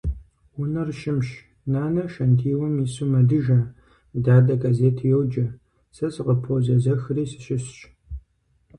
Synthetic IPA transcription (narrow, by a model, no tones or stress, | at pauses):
wʊnɐrʃɪmʃ | naːnɐʃɐntʰiːwɐmisumɐdɨʒɐ | daːdɐɡazeːtʰːjɛwd͡ʒɐ | sɐsɨqəpʰozɐzɐxriːsɨ̥ɕɪɕɕ